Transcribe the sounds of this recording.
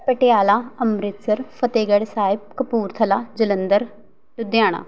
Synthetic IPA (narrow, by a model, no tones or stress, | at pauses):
pəʈɪjaːlaːəmɾɪt̪səɾpʰət̪eːɡəɽsaːɪb̚kəpuːɾt̪ʰəlaːd͡ʒɪlənd̪əɾ | ʈʊd̪jaːɽ̃a̰ː